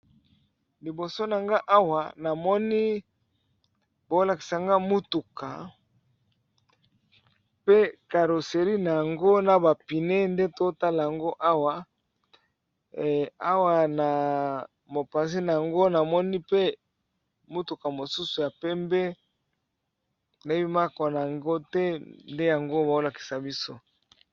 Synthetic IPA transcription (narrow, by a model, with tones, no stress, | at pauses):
li˨bo˨so˦na˨ŋɡa˦ʔa˦wa˨na˨mɔ˦ni˦ | bo˦la˨ki̥˨sa˨ŋɡa˦mu˦tu˨kʰa˨ | pe˦ka˨ɾo˨se˨ɾi˦na˨ja˨ŋɡo˦na˨ba˨pi˨ne˦nde˦to˦ta˦la˨ja˨ŋɡo˦ʔa˦wa˨ | a˦wa˨na˨ | mo˨pa˨zi˦na˨ja˨ŋɡo˦na˨mɔ˦ni˦pe˦ | mu˦tu˨ka˨mo˨su˦su˨ja˨pɛ˦mbɛ˦ | nde˦bi˦ma˦kɔ˨na˨a˨ŋɡo˦tɛ˦nde˦ja˨ŋɡo˦ba˨o˦la˨ki̥˨sa˨bi˦so̰˦